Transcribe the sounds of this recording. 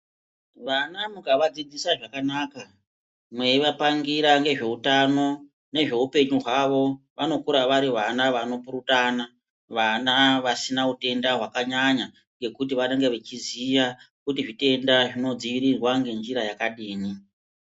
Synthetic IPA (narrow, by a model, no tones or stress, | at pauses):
ʋanamukaʋad͡zid͡zisaʐakanaːka | mwe̞iʋapaŋɡiɾaŋɡe̞ʐe̞utano̞ | ne̞ʐe̞upe̞ɲuɦwaʋo̞ | ʋano̞kuɾaʋaɾiʋanaʋano̞puɾutana | ʋanaʋasinaute̞ndaɦwakaɲaɲa | ŋɡe̞kut̬iʋaneŋɡe̞ʋe̞t͡ʃiziʋa | kutiʐite̞ndaʐino̞d͡ziʋiɾirwaŋɡe̞nd͡ʒiɾajakaɗiːni